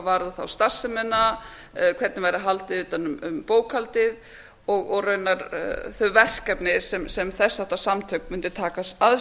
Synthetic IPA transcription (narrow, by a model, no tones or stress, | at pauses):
vaɾðaθawst̪ar̥sɪmɛnːa | kʰv̥ɛt̪nɪvajɾaɦalt̪ɪðʏːt̪anʏmʏmpoːwkhalt̪ɪð | ɔɣɔɣrœɥnaɾθœɥvɛr̥kɛpnɪsɛmsɛmθɛsːaht̪asamt̪ʰœkmʏnt̪ɪ̥t̪ʰaːkasað